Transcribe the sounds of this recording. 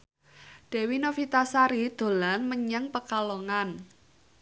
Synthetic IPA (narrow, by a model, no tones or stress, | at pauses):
d̥ɛ̤winofit̪asaɾid̪̥o̤lanməɲəŋpəkaloŋan